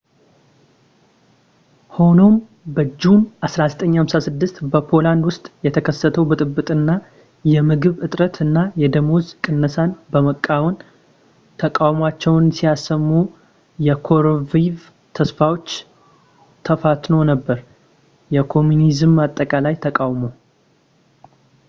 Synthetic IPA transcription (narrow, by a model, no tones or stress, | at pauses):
ho̞no̞m | bəd͡ʒːumʔasɾazət̪ʼəɲːhamsasɨd̪ːɨst̪bəpʰo̞land̪wʊst̪ʼjɛt̪ʰəkʰəsːət̪ʰəwbɨt̪ʼɨbːɨt̪ʼɨnːa | jɛmɨɡɨβɨt̪ʼɾət̪ɨnːajɛd̪əmozkʼɨnːəsanbəməkʼːawɔn | t̪ʰəkʼawmat͡ʃːɛwnsijasːəmːu | jɛkʰo̞ɾviv | t̪ʰəsfawo̞t͡ʃː | t̪ʰəfat̪nonəbːəɾ | jɛkʰo̞munizɨmat̪ʼːəkʼalajt̪ʰəkʼawmo̞